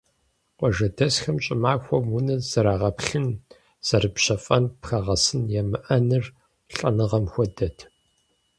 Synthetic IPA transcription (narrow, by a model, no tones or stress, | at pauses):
qʷɔʒɐdɐsxɐmɕʼɪmaːxʷɔmwunɐzɐɾaːʁɐpɬɨn | z̥ɐrɨpɕɐfʼɐnpxɐʁɐsɨnjɛmɨʔɐnɨr | ɬʼɐ̰nɨʁɐmxʷɔdɐtʰ